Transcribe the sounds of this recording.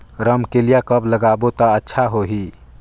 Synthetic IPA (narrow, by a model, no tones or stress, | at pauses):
ɾəmkelijakəbləɡabot̪ɔ̃ətːʃʰaɦoɦi